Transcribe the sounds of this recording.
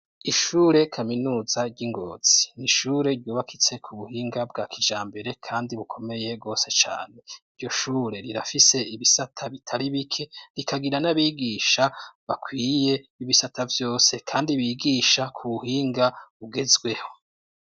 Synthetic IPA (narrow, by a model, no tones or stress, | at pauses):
iʃuɾe̞kʰaminuːzaɾɟiŋɡo̞̰ːz̥iniʃuːɾe̞ɾɟuːβakʰit͡se̞kʰuβuhiːŋɡabɡaːkʰid͡ʒaːmbe̞ɾe̞kʰaːndiβukʰo̞me̞je̞b̚ɡo̞ːse̞t͡ʃa̰ːne̞iɾɟo̞ʃuːɾe̞ɾiɾafise̞iβisatʰaβitʰaɾiβikʰe̞ɾikaɡiɾanaβiːɡiːʃaβakʰwiːjeiβisatʰavjo̞ːse̞kʰaːndiβiːɡiːʃakʰuβuhiːŋɡaβuɡe̞zɡwe̞ho̞̥